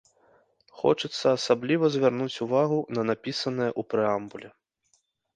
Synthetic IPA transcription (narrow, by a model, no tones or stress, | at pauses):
xɔ̰t͡ʂɨt̪sːɐːsablʲivɐzʲvʲarnut͡sʲuvaɣunɐnapʲisɐnɨjɐʔupɾɨambulʲɛ